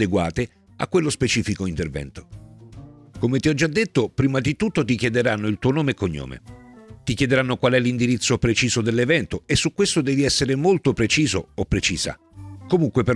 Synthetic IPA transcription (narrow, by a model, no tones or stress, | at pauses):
d̪eɡwa̰ːt̪e | a̰kːwelːospet͡ʃiːfikoint̪ervɛ̰nt̪o̥ | komet̪iɔd͡ʒːad̪ːet̪ːopɾiːmad̪it̪ut̪ːot̪̬ikjɛd̪eɾanːoilt̪uːonoːmekoɲːo̰ːmḛt̪ikjɛd̪eɾanːokwalɛlːind̪iɾit̪sːopɾet͡ʃiːzod̪elːevɛnt̪oesːukːwest̪od̪ɛːviɛsːeɾemolt̪opɾet͡ʃiːzo̰opːɾet͡ʃiːz̥a̰ | komuŋkwepe